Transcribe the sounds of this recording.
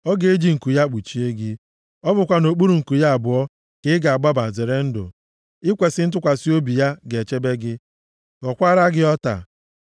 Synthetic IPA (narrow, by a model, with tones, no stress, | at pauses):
ɔ˦ɡe˦e˦d͡ʒi˦ŋ̩˨ku˨ja˦k͡pu˨t͡ʃi˦e˦ɡɪ˦ | ɔ˦bʊ˨kʷa˦no˨k͡pu˦ɾu˨ŋ̩˨ku˨ja˦a˨bʊ˨ɔ˦ | kɪ˦ɪ˦ɡa˨a˨ɡ͡ba˦ba˨ze˨ɾe˦n̩˦dʊ̰˨ | ɪ˦kʷe˨sɪ˦n̩˦t̬ʊ˦kʷa˨si˦o˦bi˨ja˦ɡe˨t͡ʃe˦be˦ɡɪ˦ | ɡɔ˨kʷa˦ɾa˦ɡɪ˦ɔ˦ta̰˨